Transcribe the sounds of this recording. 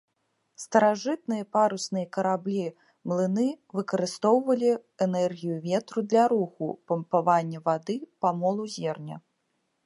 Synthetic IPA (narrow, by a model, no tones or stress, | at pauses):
st̪ɐɾaʐɨt̪nɨjɐpaɾusnɨjɐkɐɾablʲi | mlˠɨnɨ | vɨkɐɾɨst̪ɔwvɐlʲiɛnɛrɣʲijuvʲɛt̪ɾud̪lʲɐɾuxṵpɐmpavanʲːɐvad̪ɨpamɔlˠuzʲɛrnʲɐ̰